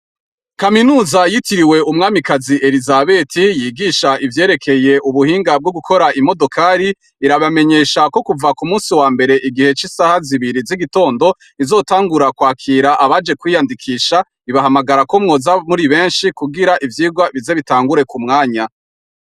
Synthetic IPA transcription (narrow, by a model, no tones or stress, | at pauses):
kaminuːzajitiɾiwe̞umŋaːmikaziʔe̞ɾizaβe̞tʰijiːɡiːʃaivje̞ːɾe̞kʰe̞je̞ʔuβuhiːŋɡab̚ɡoɡukʰo̞ɾaimo̞do̞kʰaɾi | iɾaβame̞ɲe̞ːʃako̞kuvakumuːnsiwaːmbe̞ɾe̞ʔiɡihe̞t͡ʃisaːhaziβiɾiziɡito̞ːndo̞ | izo̞ːtaːŋɡuɾakwaːkʰiːɾaʔaβad͡ʒe̞kwiːjandikʰiːʃa | iβaɦamaɡaɾako̞mŋo̞ːzamuɾiβe̞ːnʃikuɡiɾaʔivjiːɡwaβize̞βitaːŋɡuɾe̞kumŋaːɲa